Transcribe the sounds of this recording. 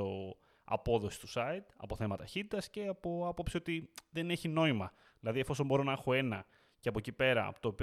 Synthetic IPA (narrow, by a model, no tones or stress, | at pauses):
o | ɐ̰po̞ðo̞si̥st̪u̥sɐit̪ɐ̰po̞θe̞mɐt̪ɐçit̪it̪ɐsce̞ɐpo̞ɐpo̞psio̞t̪iðe̞ne̞çino̞imɐ | ilɐðiefo̞so̞mbo̞ɾo̞nɐexo̞e̞nɐ | ceɐpo̞cipe̞ɾɐ̰pot̪oːpi